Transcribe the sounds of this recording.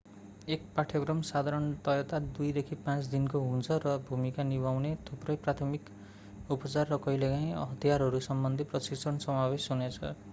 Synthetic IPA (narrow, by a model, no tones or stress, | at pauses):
ek̚paʈʰjoɡrʌmsad̪ʱaɾʌnt̪ʌjʌt̪ad̪ujd̪ekʰipãt͡sd̪inkoɦũnt͡sʰʌrʌbʱumikanibʱawnet̪ʰuprʌjprat̪ʰʌmik | upʌt͡sarːʌkʌjlekãj̃ʌ̰ɦʌt̪ijaɾɦʌɾusʌmbʌnd̪ʱiprʌsiksʰʌnsʌmabesunet͡sʰʌ̰